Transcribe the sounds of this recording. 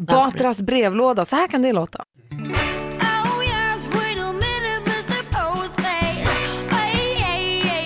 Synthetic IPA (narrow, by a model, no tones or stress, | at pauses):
bɑːt̪ɾasbɾeːvloːd̪asɔhæːɾkʰand̪ɪloːt̪ʰa̰ | ojazwɪɾəmɪnɪmɪstə˞pʰoʊzbeɪe